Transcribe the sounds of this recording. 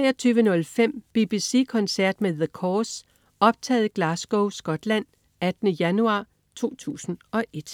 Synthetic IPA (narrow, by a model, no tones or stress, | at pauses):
t͡sʁɛɪɐt͡sʰyːʋənɔ̽lfem̰b̥ib̥isḭːkʰɒ̽nsæɐ̰d̥meðəkʰɒːs | ɒ̽b̥̚t͡sʰɛ̰ːð̩ˠɡ̥lɑ̈sɡ̥oʊsɡ̥ɒ̽d̥læn̰ | æd̥nəjænuɑ̈ː | t͡sʰo̝̰ːt͡sʰṵːsn̩ɒ̽ʔe̝d̥